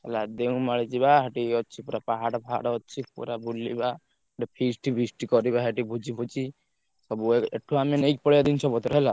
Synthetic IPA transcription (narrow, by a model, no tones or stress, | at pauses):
ɛlad̪eũmaɭit͡ʃibaɦeʈiɔːt͡ʃʰipuɾapaɦaɽbʱaɽɔt͡ʃʰipṵɾabulːiba | ʈipʰisʈibʱisʈikɔɾibaɦeʈibʱud͡ʒibʱut͡ʃi | sɔbueʈʰːuamenejk̚pɔɽijad̪int͡ʃʰɔbɔt̪ɾɔɦɛla